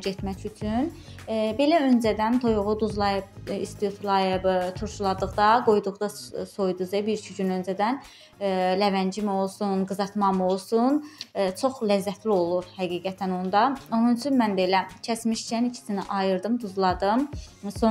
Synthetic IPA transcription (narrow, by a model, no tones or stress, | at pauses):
ɟet̪mæcyt͡ʃʰyn | be̞læø̞nd͡ʒæd̪ænt̪ʰo̞juʁud̪uzlˠɑjɯb̚ist̪ijut̪ʰlˠɑjɯbt̪ʰuɾʃulˠɑd̪ɯʁd̪ɑɡo̞jd̪uʁd̪ɑso̞jd̪uzɯbiɾt͡ʃʰyɟynønd͡ʒæd̪æn | lævænd͡ʒimio̞lˠsunɡɯzɑt̪mɑmɯolˠsunt͡ʃʰo̞χlæzːæt̪ʰlio̞lˠuɾhæɡiːɡæt̪ʰæno̞nd̪ɑo̞nunyt͡ʃʰynmænbe̞læcʰæsmiʃt͡ʃʰænicʰi̥siniʔɑjɯɾd̪ɯmd̪uzlˠɑd̪ɯmso